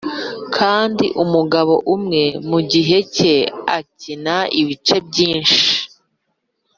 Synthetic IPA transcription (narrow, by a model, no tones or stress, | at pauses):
kʰaːndḭʔumuɡaβo̞ʔumŋe̞muɟiɦe̞ce̞a̰cinaiβit͡ʃe̞bɟiːnʃi̥